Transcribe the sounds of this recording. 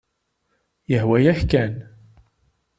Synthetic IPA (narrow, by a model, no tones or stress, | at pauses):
jəhwæjæhkæn